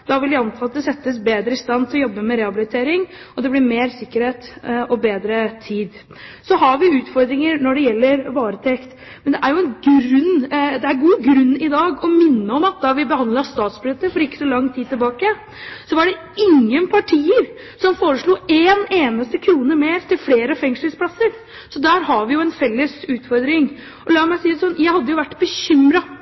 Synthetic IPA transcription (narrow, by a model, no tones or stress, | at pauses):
d̪ɑʋɪlʋɪɑnt̪ʰɑːɑt̪̚d̪ɛsɛt̪ːəsbeːd̪ɾəɪst̪ɑnt̪ʰɪlɔjɔbːəmɛɾɛhɑbɪlɪt̪ʰeːɾɪŋɔd̪ɛblɪɾmeːɾsɪkːəɾheːt̪ɔbeːd̪ɾət̪ʰiːd̪ | sɔɦɑɾʋɪʉːt̪fɔɾd̪ɾɪŋəɾnɔɖɛjɛlːəɾʋɑːɾət̪ʰɛkt̪ | mɛnd̪ɛʔæɾjʊɛnɡɾʉnːd̪ɛæɾɡuːɡɾʉnːɪd̪ɑːɡɔmɪnːəɔmɑt̪̚d̪ɑʋɪbəhɑnd̪lɑst̪ɑːt̪sbløt̪ːəfɔɾɪkːə̥sɔlɑŋt̪ʰiːd̪̚t̪ɪlbɑːkə | sɔʋɑɖɛ | ɪŋːənpʰɑʈʰiːəɾ | sɔmfoːɾəʂɭuːeːneːnəst̪əkʰɾuːnəmeːɾt̪ɪlfleːɾəfɛŋʂləlspʰlɑsəɾ | sɔd̪æːɾhɑɾʋɪjʊɛnfɛlːəsʉːt̪fɔɾd̪ɾɪŋ | ʔɔlɑːmæɪsiːd̪sɔnːjæɪhɑd̪ːəjʊʋæʈːbəçʏmɾɑ